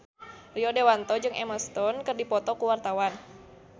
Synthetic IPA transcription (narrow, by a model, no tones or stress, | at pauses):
riɔdewant̪ɔd͡ʒɨŋɛməst̪ɔnkɨrdipɔt̪ɔkuwart̪awan